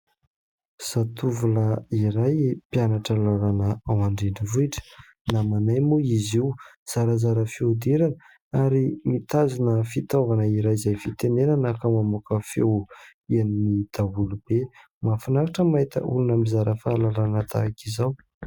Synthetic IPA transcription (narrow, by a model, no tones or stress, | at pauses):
sat̪uvuləiɾajpjanaʈ͡ʂəlalanəawaɳɖ͡ʐeɖ͡ʐivuiʈ͡ʂə̥ | namanajmuiziw | z̥aɾəzaɾəfewd̪iɾanə | aɾimit̪azinəfit̪ovanəiɾajzajfit̪enenanakəmamukəfḛwianinid̪̥awulub̥e | mafanaɾaʈ͡ʂəmaɦit̪ə̰ʔṵlunəmizaɾəfalalanət̪ʰa̰kizaw